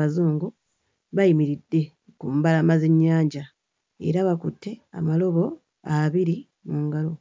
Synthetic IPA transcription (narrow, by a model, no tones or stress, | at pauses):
azoːŋɡu | βajimiɾidːe̞ | kumbalamaze̞ɲːaːɲɟa | ḛɾaβakutʰːe̞a̰malo̞βo̞ | aβiɾi | muːŋɡalo̞